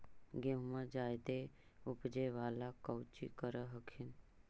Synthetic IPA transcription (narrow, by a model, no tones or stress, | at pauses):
ɡẽɦumãd͡ʒaːjd̪e | ʊpd͡ʒeʋaːlakəwt͡ʃḭkəɾəɦəkʰɪn